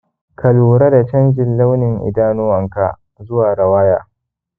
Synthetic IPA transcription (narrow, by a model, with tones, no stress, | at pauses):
kʰɐ˨luː˨ɾɐ˦da˨t͡ʃɐ˦nd͡ʒɪ˨nla˦wnɪ˨ŋʔɪ̰˨daː˦nʊ˦wɐ˨ŋka̰˨ | zʊ˦waː˨ɾɐ˨waː˦jaː˦